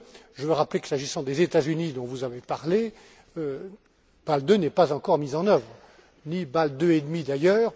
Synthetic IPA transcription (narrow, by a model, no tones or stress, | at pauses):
ʒəvəʁapleki̥saʒisɑ̃d̪ezet̪azynid̪ɔ̃vuzavepaʁle | ø | b̥ald̪ønɛpazɑ̃kɔʁmizɑ̃nœvʁ | nibald̪øed̪mid̪ajœːʁ